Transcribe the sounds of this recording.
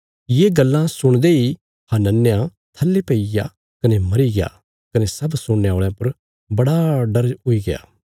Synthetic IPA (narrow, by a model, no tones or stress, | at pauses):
jeːɡɐlːãsʊɽ̃d̪ei | hãnɐnːjã | t̪ʰɐlːepɐija̰ | kɐnemɐɾiɡɪja̰ | kɐnesɐbsʊɽːaːɭjãpɐɾ | bɐɽaɖɐɾɦʊiɡɪa̰ː